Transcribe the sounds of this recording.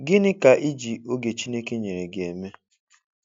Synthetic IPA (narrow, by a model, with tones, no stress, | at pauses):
ɡɪ˦nɪ˦ka˨ʔi˦d͡ʒi˨o˦ɡe˨t͡ʃi˦ne˦ke˦ɲe˨ɾe˨ɡe˨me˦